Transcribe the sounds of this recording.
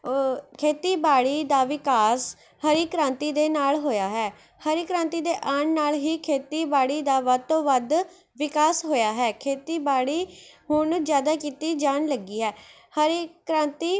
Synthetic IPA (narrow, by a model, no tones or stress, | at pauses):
kʰeːt̪iːbaːɽiːd̪aːʋɪkaːs | həɾiːkɾãːnt̪iːd̪eːnaːlɦoːjaːɦɛː | həɾiːkɾãːnt̪iːd̪eːʔaːnnaːlɦiːkʰeːt̪iːbaːɽiːd̪aːʋət̪õːʋəd̪ | ʋɪkaːsɦoːjaːɦɛːkʰeːt̪iːbaːɽiːhʊɳd͡ʒjaːd̪aːkiːt̪iːd͡ʒaːɳləɡiːɦɛː | həɾiːkɾãːnt̪iː